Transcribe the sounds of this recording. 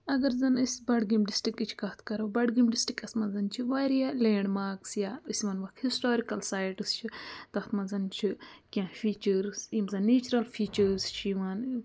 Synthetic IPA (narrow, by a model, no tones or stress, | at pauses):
ɐɡɐɾzɐnisʲbɐɖɡimɖisʈikːit͡ʃʰkɐt̪ʰkɐɾobɐɖɡimɖisʈikɐsmɐzɐnt͡ʃʰiʋaːɾijalẽːɳɖmaːksjaɨsʲʋɐnʋɐkhisʈoːɾikɐlsaːjʈɨst͡ʃʰit̪ɐt̪ʰmɐ̃zɐnt͡ʃʰikʲãːfiːt͡ʃɐɾzimzɐnːeːt͡ʃuɾɐlfʰiːt͡ʃɐɾzt͡ʃʰiʋaːn